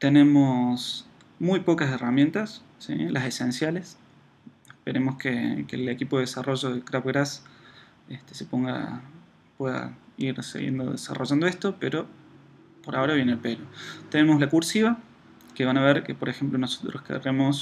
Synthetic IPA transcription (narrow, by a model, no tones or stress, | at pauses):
t̪ene̞mos | mujpo̞kase̞ramje̞nt̪asː | ḭlʔasesensjale̞s | ehpeɾe̞mo̞skekelekipoeesarʔo̞ʒo̞ðekɾaβɣɾas | est̪e̥sepo̞ŋɡa̰ | pweða̰iɾsḛɣjḛnd̪oðḛsa̰ro̞ʒand̪oeht̪o̞peɾo̞ | po̞ɾao̞ɾaβje̞neːlpelot̪e̞ne̞mo̞slakuɾsiβa | keβanaβeɾkepoɾexe̞mplo̞no̞sot̪ɾoskḛremo̞s